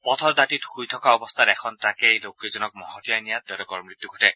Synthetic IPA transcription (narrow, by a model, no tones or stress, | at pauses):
pɔt̪ʰɔɹdatitxujt̪ʰɔkaɔbɔst̪ʰatɛkʰɔntakejlokːizɔnɔk̚mɔɦɔtijajnijat̪ːɔlɔkɔɹmɹit̪ːuɡʱɔtɛ